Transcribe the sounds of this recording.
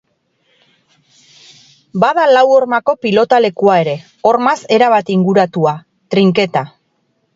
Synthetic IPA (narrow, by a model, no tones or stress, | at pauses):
baðalawo̞ɾmako̞pilo̞t̪ale̞kuae̞ɾe̞ | o̞ɾmase̞ɾaβat̪iŋɡuɾat̪ua | t̪ɾiŋke̞t̪a